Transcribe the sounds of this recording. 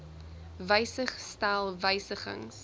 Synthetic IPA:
vəjsəχstælˠvəjsəχə̰ŋs

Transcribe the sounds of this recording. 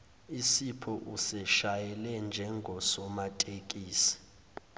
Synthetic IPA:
isipʰɔʔusɛʃajɛlɛnd͡ʒʱɛŋɡʱɔsɔmatʼekʼiːsi̥

